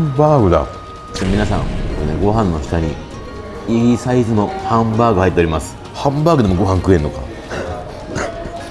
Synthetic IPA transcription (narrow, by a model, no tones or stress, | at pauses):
mbaːɡɯ̟d̪a̰ | t͡ɕmʲinasã̰ŋkoɾeneɡo̞ɦãnːo̞çi̥t̪aɲ̟i | iisaizɨno̞hãmbaːɡɯ̟hait̪ːeoɾʲimasɨ̥ | hãmbaːɡɯ̟d̪emoɡo̞ɦãŋkɯ̟ẽ̞nːo̞ka̰